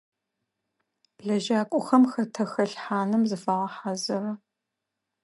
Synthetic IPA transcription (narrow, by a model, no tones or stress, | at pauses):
b̥ɮɐʒaːkʷʼʊxɐmxɐtʰɐxɐɬħaːnɨmzɨfaːʁɐħaːzɐrɐ